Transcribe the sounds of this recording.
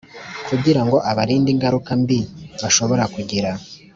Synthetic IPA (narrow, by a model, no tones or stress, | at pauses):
kʰuɟiɾaŋɡo̞ʔaβaɾiːndiŋɡaɾukambiβaʃo̞βo̞ɾakuɟiɾa